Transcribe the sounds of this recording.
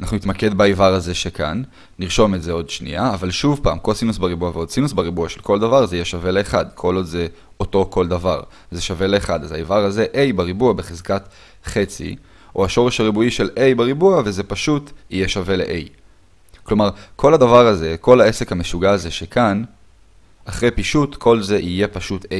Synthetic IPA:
anaχnunit̪make̞dbeivaʁaze̞ʃekʰa̰nː | iʁʃo̞metzeo̞dʃnḭaːvalʃuvpa̰ːmko̞lsinusbeibuaveo̞d̪sinusbeʁibuaʃelkʰo̞ld̪avaʁzeijeʃave̞le̞ːχad̪kʰo̞lodze | o̞to̞ko̞ld̪avaʁ | zeʃave̞le̞ːχad̪azaivaʁaze̞ʔe̞jbeʁibuabeχezkat | χe̞t͡sḭ | ʔoaʃo̞ʁeʃhaʁibuiʃe̞lʔe̞jbeʁibuaveze̞paʃutijeʃave̞leʔej | klo̞maʁkʰo̞lhadavaʁaze̞ko̞laesekhameʃuɡaːze̞ʃekʰan | aχʁejpiʃutkʰo̞lze̞ʔije̞paʃute

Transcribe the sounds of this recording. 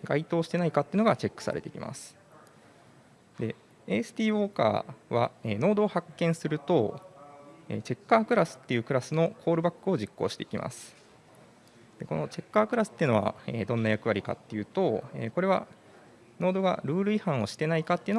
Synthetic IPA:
ɡ̥ait̪o̞ːɕi̥t̪e̞naikat̪ːeɯ̟no̞ɡat͡ɕe̞kːɯ̥sa̰ɾe̞̰t̪e̞ikʲḭmʔa̰sɨ̥ | d̪̥e̞ | eːsɨ̥t̪ʲiːo̞ːka̰ːβa̰eːno̞ːd̪o̞ːhakːẽ̞ɰ̃sɨɾɯ̟t̪o̞ | ḛːt͡ɕe̞kːaːkɯ̟ɾasɨ̥t̪ːe̞jɯ̟ːkɯ̟ɾasɨno̞kʰo̞ːɾɯ̟bakːɯ̟o̞ʑikːo̞ːɕi̥t̪e̞i̥kʲimʔa̰sɨ̥ | d̪̥e̞ko̞no̞t͡ɕe̞kːaːkɯ̟ɾasɨ̥t̪ːeiɯ̟no̞βa̰ḛːd̪õ̞nːajakɯ̟βaɾʲika̰t̪ːe̞jɯ̟ːt̪o̞ḛːko̞ɾe̞βa̰ | no̞ːd̪o̞ɡa̰ɾɯ̟ːɾɯ̟ihãɰ̃o̞ɕi̥t̪e̞naikat̪ːeiɯ̟n

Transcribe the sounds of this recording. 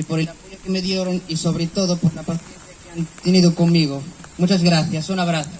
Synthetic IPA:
ipoɾelapoʎokemeðjeɾoŋisoβɾet̪oðopoɾlapaθjenθjakeant̪eniðokoŋmiɣomut͡ʃazɣɾaθjasunaβɾaθo

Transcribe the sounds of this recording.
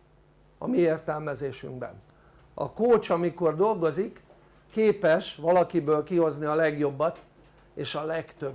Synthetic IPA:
ɒ̰mieːrt̪ɛlmɛzeːʃy̰ŋɡbɛ̰n | ɒ̰koːt͡ʃɒmiko̞rd̪o̞lɡo̞zikː | eːpɛʃʋɒlɒkibøːlkiho̞zniɒlɛɡjo̞bːɒt̪ | eːʃɒlɛkt̪øb

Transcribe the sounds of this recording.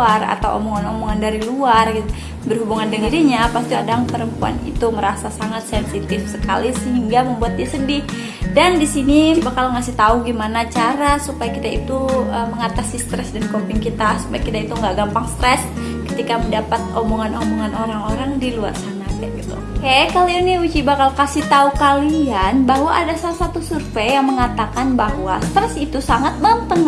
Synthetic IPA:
ara̰t̪awʔo̰moŋanomoŋandaɾiluar | bərɦubuŋandəŋiɾiɲapast̪iadaŋpəɾəmpua̰nḭt̪uməɾasasaŋat̪sɛnsit̪ɪfsəka̰lisəɦiŋɡaməmbuat̪̚ɲasəndɪh | dandisinibakalŋasɪht̪auɡimanat͡ʃaɾasupajakit̪ait̪uəməŋat̪asist̪ɾɛsdankopɪŋkit̪asu̥pajakit̪ait̪uŋɡaʔɡampaŋst̪ɾɛs | kə̥t̪ikaməndapat̪̚omoŋanomoŋanoɾaŋoɾaŋdilua̰rkanakaʔɡit̪ṵ | kakalianniut͡ʃibakalkasiht̪aukalianbaɦwaʔadasalasat̪usurfeːaŋməŋat̪akanbahwast̪ɾɛsit̪usaŋat̪̚bant̪əŋ

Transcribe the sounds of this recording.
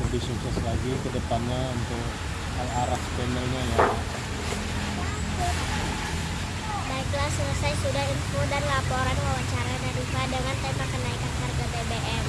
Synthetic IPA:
pərdisuksɛslaɡikədəpanɲaunt̪ʊk̚ | alaɾahspɛnəlɲaja | baiklahsələsajsudahinfodanlapoɾanwawaɲt͡ʃaɾanaɾifadəŋant̪əmakənaikanɦarɡabebeʔɛm

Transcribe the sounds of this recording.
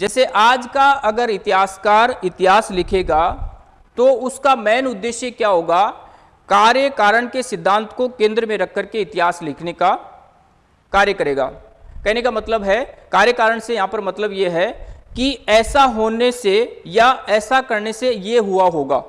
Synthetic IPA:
d͡ʒɛːseʔaːd͡ʒkaɐɡəɾɪt̪ɪɦaːskaːɾɪt̪ɪɦaːslɪkʰeːɡa | t̪oʊskamɛːnʊd̪ːeːʃjəkjaːɦoːɡa | kaːɾjəkaːɾəɽ̃kesɪd̪ʱːãːnt̪kokẽːnd̪ɾəmẽɾɐkʰːəɾkeɪt̪ɪɦaːslɪkʰneka | kaːɾjəkɐɾeːɡa̰ː | kɛɦnekamɐt̪ləbɦɛkaːɾjəkaːɾəɽ̃sejɐɦãːpɐɾmɐt̪ləbjeɦɛkiɛːsaɦoːnesejaɛːsakɐɾnesejeɦuaɦoːɡa̰ː

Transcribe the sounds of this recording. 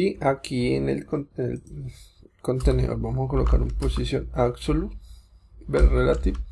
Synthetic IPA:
iakʰienelkonḛl | kont̪enḛo̰ɾbamohakoloka̰ɾṵmposisjonaɡsolu | belrelat̪ib

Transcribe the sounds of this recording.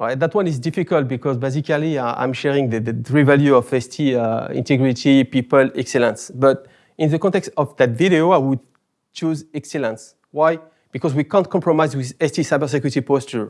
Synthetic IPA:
ɹajtðatwʌ̃nizdifikəlt̚bikɔzbezikaliã̰j̃mʃɛɹĩŋðəðəθɹivaljuɔfɛstʰiḭ̃ntɛɡɹitʰipipəlɛksɛlə̃nsbʌt | ĩnðəkɔ̃ntɛkstɔfðatvideoajwud̚ | t͡ʃuzɛksɛlə̃ns | waj | b̥ikɔzwikɑ̃ntkʰɔ̃mpɹɔmajzwiðɛstisajbə˞s̬ɛkjuɹitipɔstə˞

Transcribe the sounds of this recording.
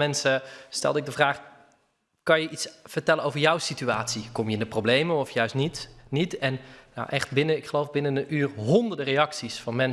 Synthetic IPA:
mɛnsəstɛ̰lˠdəɪɡ̚dəvraːχ | kɑnjəʔitsv̥əɹtɛləowvəɹjɔwsityaːtsikɔmjəɪndəprowblejməɔfjœɥstnitnitɛnːa̰wʔɛχt̚bɪnəɪkχəlowvbɪnənəyːrɦɔndəɹdərejɑksisfɑnmɛn

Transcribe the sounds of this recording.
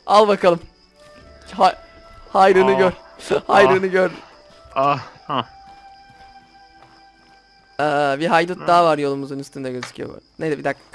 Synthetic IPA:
alˠbakʰalˠɯm | ha | hajɾɯnɯɟøɾ | hajɾɯnɯɟøɾ | aha | ɛːbiɦajd̪ut̪̚d̪aːvaɾjo̞lˠumuzunyst̪ynd̪ɛɟøzi̥cʰijo̰b̰ned̪ɛbid̪ak

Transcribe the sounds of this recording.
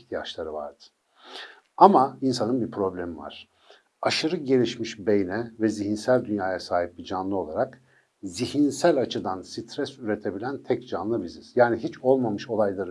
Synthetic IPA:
çt̪ʰijat͡ʃlˠaɾɯva̰ɾd̪̥ɯ̥ | amainsanɯnbiɾpʰɾo̞blʲemiva̰ɾ̥ | aʃɯɾɯɟe̞lʲiʃmiʃbe̞jnɛvɛzihinsælʲd̪ynjaːjasaːɦip̚bid͡ʒanlˠɯo̞lˠaɾak | ziɦinsælʲat͡ʃʰɯd̪ansit̪ʰɾɛsyɾe̞t̪ʰe̞bilʲænt̪ʰɛcd͡ʒanlˠɯbiziz̥jaːniɦit͡ʃo̞lˠmamɯʃo̞lˠajlˠaɾɯ

